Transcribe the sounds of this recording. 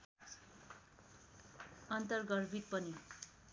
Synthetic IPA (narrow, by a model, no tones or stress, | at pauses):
ʌnt̪ʌrɡʌɾbʱit̪̚pʌni